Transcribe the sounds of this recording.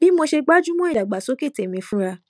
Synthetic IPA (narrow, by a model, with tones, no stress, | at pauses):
bi˨˦mo˧ʃe˧ɡ͡ba˦d͡ʒu˦mɔ̃˦i˦˨a˨ɡ͡ba˨so˨˦ki˦˨te˨mĩ˨˧fũ˦ɾa˧